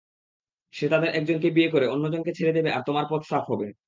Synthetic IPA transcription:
ʃet̪ad̪eɾʔɛk̚d͡ʑonkebiekoɾeonːod͡ʑonket͡ɕʰeɾed̪ebeʔa̰ɾt̪omaɾpɾot̪st̪apɦɔbe

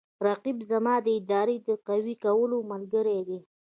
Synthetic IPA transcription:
ɾaqibzamɑd̪əɪd̪ɑɾed̪əqawikawəlomalɡəɾed̪e

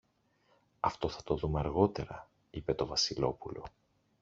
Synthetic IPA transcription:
ɐft̪o̞θɐt̪o̞ðumeɐɾɣo̞t̪e̞ɾɐ | ipe̞t̪o̞vɐsilo̞pulo̞̰

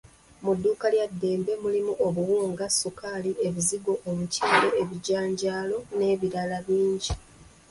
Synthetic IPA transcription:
mudːuːkaljadːe̞ːmbe̞mulimuʔoβuwuːŋɡasukaːliʔe̞βiziɡo̞ʔomuciːmbe̞eβiɟaːɲɟaːlo̞ne̞ːβiɾalaβiːɲɟi

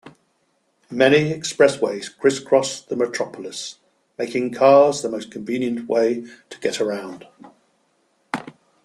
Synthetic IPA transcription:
mɛñiɛkspɹɛsweɪz̥kʰɹ̥ɪskʰɹ̥ɒsðəmətʰɹ̥ɒpʰəlɪs | meɪkɪ̃ŋkʰɑːzðəməʊskʰə̃ɱvĩːnjə̃nʔwḛɪtʰə̥ɡ̥ɛtəɹãʊ̃nd̥

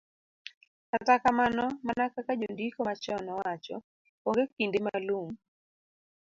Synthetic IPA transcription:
katakamanɔmanakakad͡ʒondikomat͡ʃɔnɔwat͡ʃɔ̰ | oŋɡekindemalum

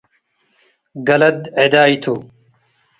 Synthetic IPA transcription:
ɡɐlɐd̪ed̪aːit̪ʰuː

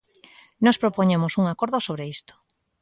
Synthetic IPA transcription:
nɔspɾopoɲemosuŋakoɾðosoβɾeist̪o̥

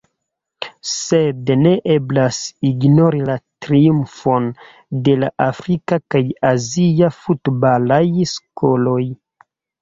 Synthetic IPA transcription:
sedne̞ʔeblasiɡnoɾilatɾiumfo̞n | de̞laʔafɾikakajaziafutbalajskoloj

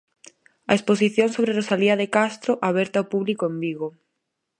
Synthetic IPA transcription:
a̰espos̬iθjoŋsoβɾerosaliɐðekast̪ɾoʔaβ̞ɛɾt̪aopuβlikoembiɣo

